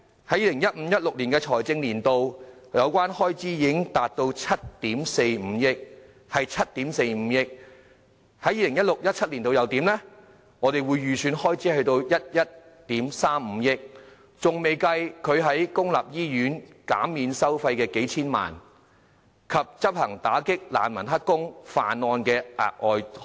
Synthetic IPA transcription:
hɐ˨˥ji˨˧lɪ˨˩ŋjɐ˥t̚m̩ː˨˧jɐ˥t̚lʊ˨k̚liː˨˩nkɛː˧t͡ʃʰɔː˨˩jt͡sɪ˧ŋliː˨˩nt̪o˧wjɐ˨˧wkʷaː˥nhɔː˥jt͡siː˥jɪ˨˧˥ŋt̪aː˨t̚t̪o˧wt͡sʰɐ˥t̚t̪iː˨˥mse˧jm̩˨˧jɪ˥k̚ | hɐ˨jt͡sʰɐ˥t̚t̪iː˨˥mse˧jm̩˨˧˥jɪ˥k̚ | hɐ˨˥jiː˨˧lɪ˨˩ŋjɐ˥t̚lʊ˨k̚jɐ˥t̚t͡sʰɐ˥t̚li˨˩nt̪o˧jɐ˨˧wt̪iː˨˥mlɛ˥ | ŋɔː˨˧t̪e˨jwuː˨˧jːyː˨˩syː˨˧nhɔː˥jt͡siː˨˥hɵ˧ɥt̪o˧wjɐ˥t̚jɐ˥t̚ | t̪iː˨˥msaː˥mm̩˨˧jɪ˥k̚ | t͡sʊ˨ŋme˨jkɐ˧jkʰɵ˨˧ɥɦɐ˨˥jkʊ˥ŋla̰ː˨p̚jiː˥jyː˨˥nka̰ː˨˥miː˨˧nsɐ˥wfɐ˧jkɛː˧ke˨˥jt͡sʰiː˥nma̰ː˨˩n | kʰɐ˨p̚t͡sɐ˥p̚hɐ˨˩ŋt̪aː˨˥kɪ˥k̚la̰ː˨˩nmɐ˨˩nɦɐ˥t̚kːʊ˥ŋfa̰ː˨nːɔː˧nkɛː˧ʔa̰ː˨˩k̚ɔː˨j

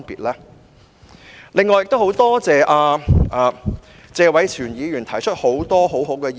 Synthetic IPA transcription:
npḭː˨t̚lɛː˥ | lɪ˨ŋːɔː˨˩jk̚t̪ho˨˥wt̪ɔː˥t͡sɛː˨˧ʔaː˧ʔaː˨˧ | t͡sɛː˧wɐ˨˥jt͡sʰyː˨˩njiː˨˧jyː˨˩nt̪ʰɐ˨˩jt͡ʃʰɵ˥t̚ho˨˥wt̪ɔː˥ɦo˨˥wɦo˨˥wkɛː˧j

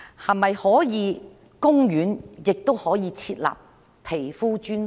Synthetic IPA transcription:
hɐ˨mɐ˨jhɔː˨˥jiː˨˧ | kʊ˥ŋjyː˨˥njɪ˨k̚t̪o˥whɔː˨˥jiː˨˧t͡sʰiː˧t̚la̰ː˨p̚ | pʰe˨˩jfuː˥t͡ʃyː˥n

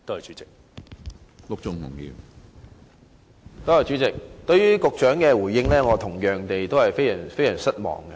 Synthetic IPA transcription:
t̪o˥hɐ˨jt͡ʃyː˨˦t͡sɪ˨k̚ | lʊ˨k̚t͡sʊ˨˧ŋmʊ̰˨˩ŋjḭ˧w | t̪o˥hɐ˨jt͡ʃyː˨˥t͡sɪ˨k̚t̪ɵ˧ɥɥyː˥kʊ˨k̚t͡ʃœː˨˥ŋkɛː˧wuː˨˩jjɪ˥ŋlɛː˥ŋɔː˨˧t̪ʰʊ˨˩ŋjœː˨˩ŋt̪e˨jt̪o˥whɐ˨jfe˥jɐ˨˩ŋfe˥jɐː˨˩nsɐ˥t̚mɔ̰ː˨˩ŋkɐ˧

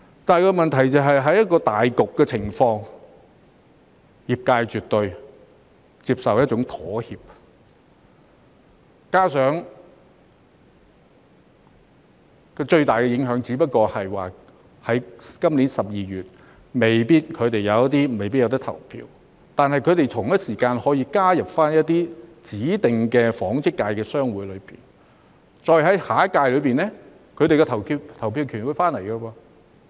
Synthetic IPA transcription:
t̪aː˨jkɔː˧mɐ˨nt̪ʰɐ˨˩jt͡sɐ˨˧wɦɐ˨jɦɐ˨˥jɐ˥t̚kɔː˧t̪aː˨jkʊ˨kːɛː˧t͡sʰɪ˨˩ŋfɔː˧ŋ | jiː˨p̚kaː˧jt͡ʃyː˨t̪ɵ˧ɥ | t͡siː˧p̚sɐ˨wjɐ˥t̚t͡ʃʊ˨˥ŋt̪ʰɔː˨˥hiː˨p̚ | kaː˥sœː˨˥ŋ | kɔ˧t͡ʃɵ˧ɥt̪aː˨jkɛ˧jɪ˨˥ŋɦœː˨˥ŋt͡siː˨˥pɐ˥t̚kɔː˧hɐ˨jwaː˨˩ | hɐ˨˥jkɐ˥mliː˨˥nsɐ˨p̚jiː˨ɥyː˨t̚ | me˨˩jpiː˥t̚kʰɵ˨˧t̪e˨˩jɐ˨˧wjɐ˥t̪iː˥me˨jpiː˥t̚jwt̪ɐ˥t̪ʰɐ˨˩wpʰḭː˧w | t̪aː˨nhɐ˨jkʰt̪e˨jt̪ʰʊ˨˩ŋjɐ˥t̚siː˨˩kaː˧nhɔː˨˥jiː˧kaː˥jɐ˨p̚faː˥njɐ˥t̚t̪iː˥t͡siː˨˥t̪ɪ˨ŋkɛː˧fɔː˨˥ŋt͡sɪ˥kːaː˧jkɛː˧sœː˥ŋwuː˨˥jlɵ˨˧ɥpḭː˨˩n | t͡ʃɔː˨˧jɦɐ˨˥jhaː˨˥kaː˧jlɵ˨˧ɥpiː˨nlɛ˥ | kʰɵ˨˧t̪e˨jkɛ˧t̪ʰɐ˨˩wkʰiː˧t̪ʰɐ˨˩wpʰi˧wkʰyː˨˩nwu˨˧jfaː˥nlɐ˨˩jkɐ˧waː˧

